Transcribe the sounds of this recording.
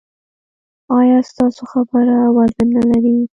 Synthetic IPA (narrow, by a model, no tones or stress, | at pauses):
ɑjɑst̪ɑsoxabəɾawaɾd̪ənnalaɾi